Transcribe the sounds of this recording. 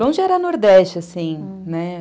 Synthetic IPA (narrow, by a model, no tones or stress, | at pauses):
õʒɪɛɾɐnoɾd̪ɛst͡ʃɪasĩ | nɛ